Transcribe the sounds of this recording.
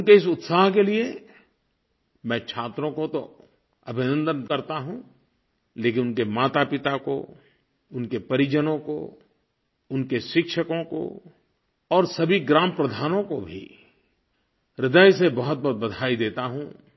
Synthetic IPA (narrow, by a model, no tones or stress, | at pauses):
ʊnkeɪs̬ʊt̪saːɦkelie | mɛ̃ːt͡ʃʰaːt̪ɾõkot̪o | ɐbʱɪnə̃nd̪ənkɐɾt̪aɦũ | leːk̬ɪnʊnkemaːt̪apɪt̪ako̰ | ʊnkepɐɾɪd͡ʒənõko̰ | ʊnkeʃɪkʃəkõko̰ | ɔːɾsɐbʱiɡɾaːməpɾəd̪ʱaːnõkobʱḭ | ɾɪd̪əjs̬ebɐɦʊt̪̚bɔɦt̪̚bɐd̪ʱaːid̪eːt̪aɦũ